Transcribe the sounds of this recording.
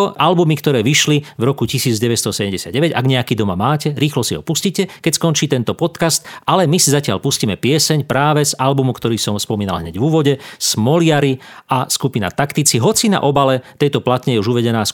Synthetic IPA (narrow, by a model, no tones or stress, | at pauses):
ʔalbumikt̪ɔɾɛːʋiʃlivɾɔkucisiːd͡zɟɛʋɛst̪ɔsɛɟɛmɟɛsɪad̪̚ɟɛʋɛɟa̰ɡɲɛakiːd̪ɔmamaːcɛɾiːxlɔsiɦɔ̰puscicɛkɛcskɔnt͡ʃiːt̪ɛnt̪ɔpɔt̪kast̪ʔalɛmisizacɪa̰lpusciːmɛpɪɛsɛɲpɾaːʋɛzalbumukt̪ɔɾiːsɔmspɔmiːnalɦɲɛɟvuʋɔɟɛsmɔlɪaɾiʔaskupina̰t̪akt̪it͡siɦɔt͡sina̰ʔɔbalɛt̪ɛjt̪ɔplat̪ɲɛjɛuʒuʋɛɟɛnaːs